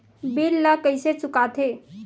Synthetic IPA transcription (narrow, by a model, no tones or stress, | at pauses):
bilːəkəjset͡sukat̪ʰe